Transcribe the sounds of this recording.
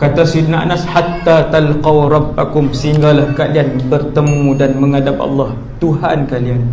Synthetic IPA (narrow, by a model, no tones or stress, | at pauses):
kat̪asid̪naʔa̰nashat̪ːat̪alqɑwɾˤɑbːakʊmsəiŋɡalahkalianbərt̪əmũdanməŋadap̚ɑ̰lːɑh | t̪uɦankalian